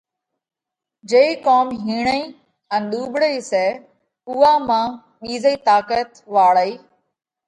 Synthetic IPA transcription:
d͡ʒeiːkoːmɦiːɳ̃əĩː | ə̃nɗ̪uːɓɽəiːsɛː | ʊʋaːmãː | ɓiːzəiːt̪aːkət̪ʋaːɭəiː

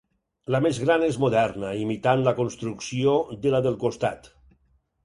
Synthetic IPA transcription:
lamezɣɾanezmoðɛɾnaimit̪anlakonst̪ɾuksiod̪elaðelˠkost̪a̰t̪

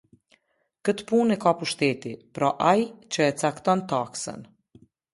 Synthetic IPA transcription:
kət̪punɛkapuʃt̪ɛt̪ipɾɔʔajt͡ɕəɛt͡sakt̪ɔnt̪aksə̰n

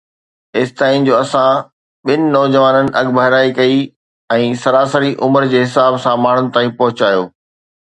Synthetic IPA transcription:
ɪst̪aːĩnd͡ʑoːɐsã | ɓɪnɪ̆nɔːd͡ʑəʋaːnənɪ̆ʔɐɡbʱɐɦɪɾaːikɐi | ɛ̃ːsɐɾaːsəɾiʔʊməɾd͡ʑeːɦɪsaːbsãmaːɳ̤ʊnɪ̆t̪aːĩpɐɦʊt͡ɕaːjoː

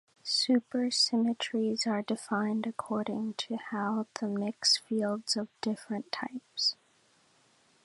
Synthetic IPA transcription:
sʉpə˞sɪ̃mɨt͡ʃɹ̥izə˞dɨfãɪ̃ndɨkʰɔɹɾɪ̃ŋtʰɨhaʊðəmɪksfilˠdz̥ʌvdɪfɹɨ̃ntʰːaɪps

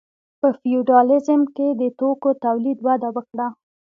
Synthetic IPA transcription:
pəfiuɖɑlɪzəmked̪ət̪okot̪awlid̪wad̪awəkɽa

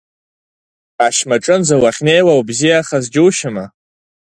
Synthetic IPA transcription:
aʃmaʈ͡ʂʼɨnzawaχʲnejwawbzijaχazd͡ʒuwʃama

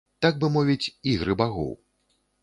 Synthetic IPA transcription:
t̪aɡ̚bɨmɔvʲit͡sʲiɣɾɨbaɣɔ̰w

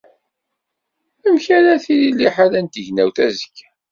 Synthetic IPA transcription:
əmçaɾaθiɾilːiħalænt̪əʝnæwθæzə̥kː

